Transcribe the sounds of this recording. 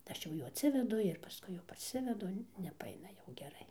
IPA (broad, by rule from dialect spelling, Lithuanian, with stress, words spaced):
ˈɐʃ jɛʊ ˈjuː ɐtʲˈsʲɪʋʲɛdʊ ɪr pɐˈskʊɪ jɛʊ pɐrʲˈsʲɪʋʲɛdʊ nʲɛpɐˈɐɪnɐ jɛʊ ɡʲɛˈrɐɪ